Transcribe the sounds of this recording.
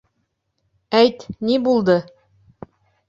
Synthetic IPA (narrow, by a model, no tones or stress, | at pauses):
æjt̪nibulˠd̪ɤ